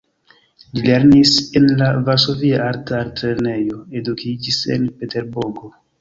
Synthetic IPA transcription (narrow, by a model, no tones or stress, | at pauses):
lile̞ɾnisenlavaɾso̞viaaɾtaɾtɾeɾne̞jo̞e̞dukʰid͡ʒise̞̰npe̞te̞ɾbuɾɡo̞